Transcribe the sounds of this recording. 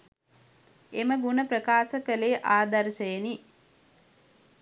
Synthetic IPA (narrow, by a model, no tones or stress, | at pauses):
eməɡunəpɾəkaːsəkəleːʔaːd̪ɐɾʃəjeni